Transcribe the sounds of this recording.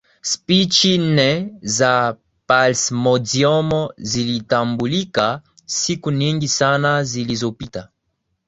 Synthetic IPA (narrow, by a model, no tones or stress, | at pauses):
spit͡ʃinɛza | palsmɔzjɔmɔzilitambulika | sikuniŋɡisanazilizɔpita